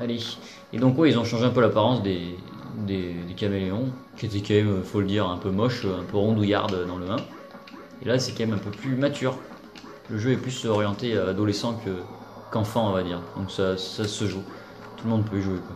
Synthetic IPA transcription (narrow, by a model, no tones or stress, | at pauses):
ale | ed̪ɔ̃kwɛilzɔ̃ʃɑ̃ʒeɛ̃pølapaʁɑ̃sd̪e | d̪ed̪ekalmeleɔ̃kʲiet̪ɛkɑ̃mɛmøifoləd̪iʁɛ̃pømɔʃøɛ̃pøʁɔ̃d̪uja̰ʁd̪ød̪ɑ̃ləmɛ̃ | ḛlasɛkɑ̃mɛmɛ̃pøplymat̪yːʁ | ləʒøɛplysɔʁjɑ̃t̪ead̪ɔlesɑ̃kʰə | kɑ̃fɑ̃ɔ̃vad̪iʁd̪ɔ̃ksasasəʒu | t̪uləmɔ̃d̪pøiʒuekwa